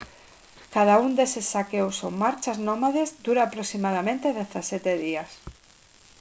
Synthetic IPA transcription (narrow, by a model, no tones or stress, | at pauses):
kaðaund̪esesːakewsoŋmaɾt͡ʃaznomaðezd̪uɾaːpɾosimað̞amẽnt̪eðeθasɛt̪eðias